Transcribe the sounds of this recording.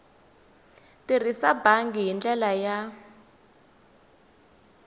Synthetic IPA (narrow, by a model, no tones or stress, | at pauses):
tirisabaŋɡiɦind͡ɮɛlaja